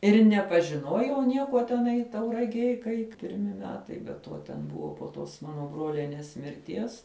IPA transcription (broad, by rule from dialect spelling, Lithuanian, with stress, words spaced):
ɪr nʲɛpɐʒʲɪˈnuɔjɛʊ ˈnʲiɛkuɔ tʲɛˈnɐɪ tɐʊrɐɡʲiɛj kɐɪ pʲɪrʲˈmʲɪ ˈmʲæːtɐɪ bʲɛ ˈtuɔ ˈtʲɛn ˈbʊʋoː poː ˈtoːs ˈmɑːnoː ˈbroːlʲɛnʲeːs mʲɪrʲˈtʲiɛs